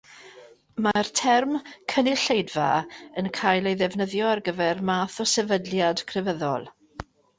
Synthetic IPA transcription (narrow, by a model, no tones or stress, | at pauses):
martʰɛrmkʰənɪɬejdva̰ənkʰajlˠejðɛvnəðjɔarɡəvɛrmaːθɔsɛvədljad̥kʰrɛvəðɔ̰lˠ